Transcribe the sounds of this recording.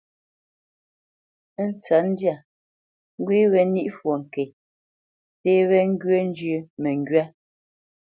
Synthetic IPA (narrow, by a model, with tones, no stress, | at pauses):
n̩˦t͡sa˨˦n̩˦dja˦˨ | ŋ˦ɡwi˦wɛ˨ni˦ʔfwo˨ŋ̩˨ke˨ | te˦βɛ˦ŋ̩˦ɡɥe˦n̩˦d͡ʒʉ˦mɛ˨ŋ˦ɡɥa˦